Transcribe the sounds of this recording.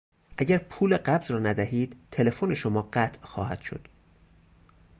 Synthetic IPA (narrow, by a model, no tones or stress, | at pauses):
ʔæɟæɾpʰuːleɢæbzɾɒːnæd̪æhiːd̪̥t̪ʰe̞le̞foːne̞ʃomɒːɢæt̪ʰʔxɒ̰ːhæ̰d̪̥ʃo̰d̪̥